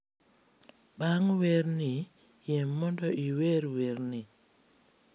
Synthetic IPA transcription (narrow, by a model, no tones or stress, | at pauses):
baŋweɾni | jɛmːɔndɔʔiweɾweɾni